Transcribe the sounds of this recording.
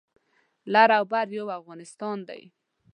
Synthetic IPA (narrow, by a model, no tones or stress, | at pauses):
laɾawbaɾjowafɣɑnɪst̪ɑnd̪a̰j